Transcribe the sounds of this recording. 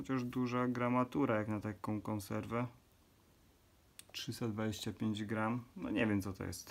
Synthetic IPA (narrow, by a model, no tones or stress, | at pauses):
xɔt͡ɕaʐd̪uʐaɡɾamat̪uɾajaknat̪akɔ̃w̃kɔ̃ñsɛɾvɛ | tʂɨst̪ad̪vad͡ʑeɕt͡ɕapʲjeɲd͡ʑɡɾamnɔ̰ɲɛvʲjɛmt̪sɔt̪ɔ̰jɛ̰st̪